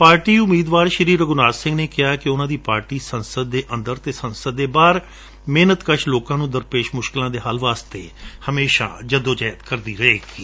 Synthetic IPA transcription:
paːɾʈiːʊmiːd̪ʋaːɾʃəɾiːɾəɡʊnaːsɪ̃ŋɡneːkɪjaːkɪʊnãːd̪iːpaːɾʈiːsənsəd̪̚ːeːʔə̃nd̪əɾt̪eːsənsəd̪ːeːbaːɾ | meːnət̪kəʃloːkãːnũːd̪əɾpeːʃmʊʃkɪlãːd̪eːɦalʋaːst̪ḛːhəmeːʃa̰ːd͡ʒəd̪õːd͡ʒaːjət̪kəɾd̪iːɾəeːɡiː

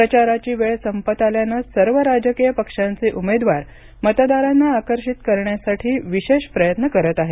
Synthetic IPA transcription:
ɾət͡ɕaɾat͡ɕiːʋeɭsəmpət̪aljanasəɾʋəɾad͡ʑəkijəpəkʂant͡seʔumed̪ʋaɾ | mət̪d̪aɾanːaːkəɾɕit̪kəɾɳjasaʈʰiːʋiɕeɕpɾəjət̪nəkəɾət̪aɦe

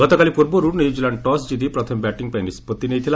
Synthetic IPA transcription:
ɔt̪ɔkalipuɾbɔɾuɾnjud͡ʒilaɳɖʈɔsd͡ʒid̪ipɾɔt̪ʰɔmbɛʈiŋpajnispɔt̪ːinejt̪ʰila

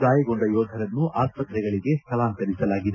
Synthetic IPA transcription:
d̪aːjɐɡoɳɖɐjɔːd̪ʱɐɾɐnːuʔaːspɐt̪ɾɛɡɐɭiɡe̞k̪ɐlaːnt̪ɐɾisɐlaːɡid̪e

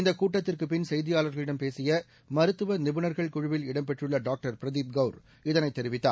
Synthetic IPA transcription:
ɪnd̪ɐkːuːʈːɐt̪ːɪrkɯpːɪnsɛjðɪjaːlɐɾɣɐɭɪɽɐmpeːsɪjɐ | mɐɾɯt̪ːɯʋɐnɪbɯnɐɾɣɐɭkʊɻʊʋɪlɪɽɐmpɛʈrɯɭːɐɖaːk̚ʈɐɾpɾɐðiːp̚ɡɐʊɾ | ɪðɐnɐɪt̪ːɛɾɪʋɪt̪ːa̰ː

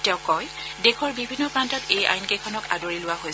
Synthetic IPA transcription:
tɛʊkːɔj | dekʰɔɹbibʱinːɔpɹantɔteja̰jnkejkʰɔnɔka̰doɹilʊwaɦoj

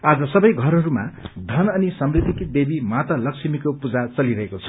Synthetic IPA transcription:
ad͡zʌsʌbʌjɡʱʌɾɦʌɾuma̰d̪ʱʌnʌnisʌmrid̪ʱikib̪ebimat̪ʌlʌksʰimikopud͡zat͡sʌliɾʌɦekot͡sʰʌ̥

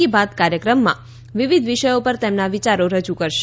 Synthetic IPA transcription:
ibad̪kaɾjəkɾəmːã̰ | ʋiʋid̪ʱʋiʃəjopəɾt̪emnaʋit͡ʃaɾoɾəd͡ʒukəɾʃ

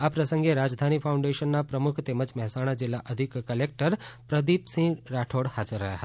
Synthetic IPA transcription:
apɾəsəŋɡeɾad͡ʒd̪ʱanipʰaũɳɖeʃənːapɾəmukʰt̪eməd͡ʒmɛɦɛsaɽ̃ad͡ʒilːaʔəd̪ʱikːəlek̚ʈəɾpɾəd̪ipsĩɾaʈʰoɽhad͡ʒəɾːəɦjaɦət̪a

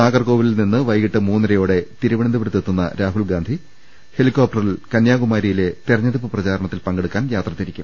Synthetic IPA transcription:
naːɡɐrko̞ːʋililninːɨʋɐjkiʈːɨmuːnːɐɾɐjo̞ːɽe̞t̪iɾuʋɐɳɐnd̪ɨbrɨt̪ːet̪ːunːɐ̰ɾaːɦuɭɡaːnd̪ʱi | he̞likːoːp̚ʈɐrilkɐnjaːɣumaːɾijile̞t̪erɐɲːɐðipːɨprɐt͡ɕaːɾɐɳɐt̪ːilpɐŋɡeɽukːaːnjaːt̪rɐt̪ːiɾikʲːum

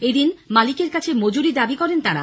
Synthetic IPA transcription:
ed̪inmalikeɾkat͡ɕʰemod͡ʑuɾid̪abikɔɾent̪aɾa̰

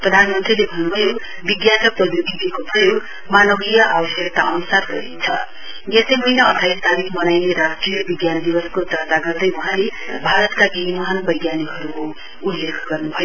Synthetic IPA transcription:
prʌd̪ʱanmʌnt̪rilebʱʌnːubʱʌjo | biɡjasʌk̚prʌd̪ud̪it̪ikoprʌjoɡ | manʌɡijʌʔabʌsekt̪aʌnusarɡʌ̰ɾḭnt͡sʰʌ̰ | jesʌjmʌinʌːt̪ʰajst̪ʰalikmʌnajneɾad͡zkrijʌbiɡjanʌd̪ibʌskot̪ʌt̪aɡʌrd̪ʌjwʌ̃ɦãlebʱaɾʌt̪kaɡiɦimʌɦanbʌjɡjaniɦʌɾuko | ulːekʰɡʌrnubʱʌjo

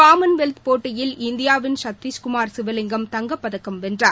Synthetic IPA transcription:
kaːmɐnʋɛlt̪poːʈːɐjɪlɪnd̪ɪjaːʋɪnʃɐt̪ʋiskʊmaːɾsɪʋɐlɪŋɡɐmt̪ɐŋɡɐpːɐðɐkːɐmʋɛndraːɾ

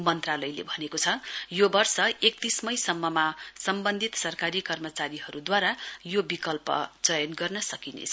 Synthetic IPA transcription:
mʌnt̪ralʌjlḛbʱʌnekot͡sʰʌjobʌrsʌek̚t̪ismʌjsʌmːʌmasʌmbʌnd̪ʱit̪sʌrkaɾikʌrmʌt͡saɾiɦʌɾud̪waɾajobikʌlpʌ̰t͡sʌjʌnɡʌrnʌsʌkinḛt͡sʰʌ

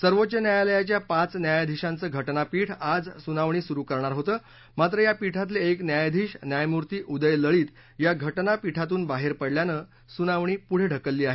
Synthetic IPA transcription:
səɾʋot̪ːt͡ɕənjajaləjat͡ɕjapãt͡snjajd̪ʱiɕãnt͡səːɡʱəʈnapiːʈʰad͡zsunaʋɳiːsuɾukəɾɳ̃aɾɦot̪əː | mat̪ɾəjapiʈʰat̪̬leeknjajd̪ʱiɕnjajmuɾt̪iːʔud̪əjləɭiːt̪ | jaɡʱəʈnapiʈʰat̪̬uːnbaɦeɾpəɽljanəː | sunaʋɳ̃iːpuɽ̤eɖʱəkəlːiːaɦe

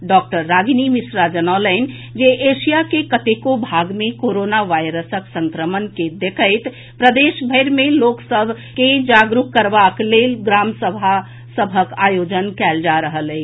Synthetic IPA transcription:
ɖɔk̚ʈəɾːaɡnimisɾad͡ʒənaləɪn | d͡ʒeʔeʃijakekət̪ekobʱaɡmẽkoɾonaʋajɾəsəksə̃ŋkɾəmənked̪ekʰəɪt̪ | pɾəd̪eʃbʱəɪɾmẽloksəbʱ | ked͡ʒaɡɾukːəɾbakleɡɾamsəbʱa | səbʱəkajod͡ʒənkɛːld͡ʒaɾəɦələɪ

